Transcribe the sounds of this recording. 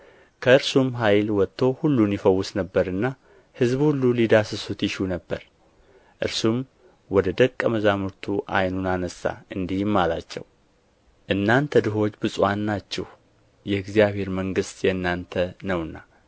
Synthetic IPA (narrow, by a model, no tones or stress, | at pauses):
kʰəɨɾsumɦajlwɔt̪ʰːo̞hulːunjɪfəwːʊsnəbːəɾɨnːa | hɨzbhulːulid̪asɨsut̪jɪʃunəbːəɾ | ʔɨ̰ɾsum | wɔd̪əd̪əkʼːəməzamuɾt̪ʰuʔa̰jnunanəsːa̰ɨnd̪ihmːalat͡ʃːɛ̰w | ʔɨnːant̪ʰəd̪ɨɦo̞t͡ʃːbɨsʼanːat͡ʃːɛh | jɛɪɡzijaβe̞ɾməŋɡɨst̪jɛɨnːant̪ʰənəwɨnːa